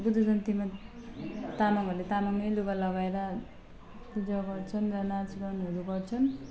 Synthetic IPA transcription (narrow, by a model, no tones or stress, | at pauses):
ɡud̪ʌd͡zʌnt̪ima | t̪amaŋɦʌɾulet̪amaŋʌjluɡalʌɡaeɾa | pud͡zʌɡʌrt͡sʰʌnrʌnat͡sɡʌnʌɾuɡʌrt͡sʰʌn